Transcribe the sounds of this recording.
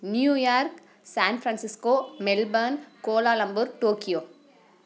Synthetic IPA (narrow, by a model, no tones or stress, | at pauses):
njuːjaːɾk | saːnfɾansɪskoːmɛlbɐnkoːlaːlɐmbuɾʈoːkɪjoː